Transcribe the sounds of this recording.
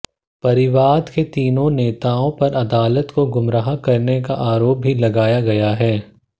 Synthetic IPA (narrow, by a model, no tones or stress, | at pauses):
pɐɾɪʋaːd̪ket̪iːnõneːt̪aːõpɐɾɐd̪aːlət̪koɡʊmɾaːɦakɐɾnekaʔaːɾoːp̚ːilɐɡaːjaɡɐjaɦɛː